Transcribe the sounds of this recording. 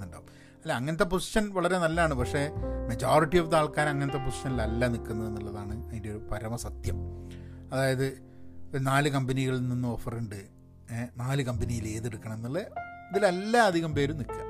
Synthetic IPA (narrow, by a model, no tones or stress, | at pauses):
nːuɳɖa̰ːʋum | ɐlːeɐŋːɐnɐt̪̬ːe̞posi̥ɕɐnʋɐɭɐɾe̞nɐlːaːɳɨpɐkʂe̞ːmɐd͡ʑoːriʈːijofd̪aːɭkaːnɐŋːɐnɐt̪̬ːe̞p̬osi̥ɕɐnilɐlːanikːunːɐenːuɭːɐðaːɳɨɐðindeoɾupɐɾɐmɐsɐt̪jɐ̰mɐðaːjɐðɨ | naːlɨkɐmbɐniɣɐɭininːuofɐreɳɖɨ | naːlɨkɐmbɐnijile̞ːðeɽukːɐɳɐme̞nːɐlːɐɐðilelːaɐd̪ʱiɣɐmpe̞ːɾumnikʲːa̰